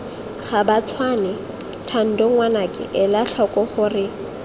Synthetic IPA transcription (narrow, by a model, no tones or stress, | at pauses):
χabat͡sʰwanɛ | tʰan̩doŋwanakʼɪ̰ʔɪlaɬʰɔkʼɔχʊrɪ